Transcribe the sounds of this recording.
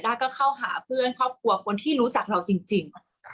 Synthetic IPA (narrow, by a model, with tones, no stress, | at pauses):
jdaː˥˩kɔː˥˩kʰa˥˩wɦa̰ː˩˦pʰɯ˥˩ənkʰɔː˥˩p̚kʰu˧˩ɐkʰo˧nt̪ʰiː˥˩ɾuː˦˥t͡ɕa˨˩k̚ɾa˧wt͡ɕi˧ŋt͡ɕi˧ŋ